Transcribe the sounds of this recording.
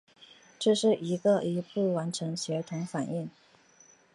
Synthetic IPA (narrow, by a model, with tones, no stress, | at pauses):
ʈ͡ʂɤ˥˧ʂɻ̩˥˩i˧˥ɡə˧i˨˧˥pu˥˩wa˧˥nʈ͡ʂʰɤ˧˥ŋɕɥɛ˧˥t̪ʰʊ˧˥ŋfa˨˩ni˥˩ŋ